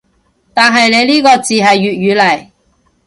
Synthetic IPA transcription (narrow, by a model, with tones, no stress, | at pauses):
t̪aː˨nɦɐ˨jle˨˧jliː˥kɔː˧t͡siː˨ɦɐ˨jːyː˨t̚jyː˨˧lɐ˨˩j